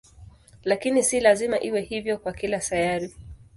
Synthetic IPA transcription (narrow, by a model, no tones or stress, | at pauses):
lakinisilazimaʔiwɛhivjɔkwakilasajaɾi